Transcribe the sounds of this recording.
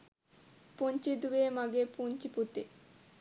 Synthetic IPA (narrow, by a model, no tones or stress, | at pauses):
punt͡ɕid̪uemaɡepunt͡ɕiput̪e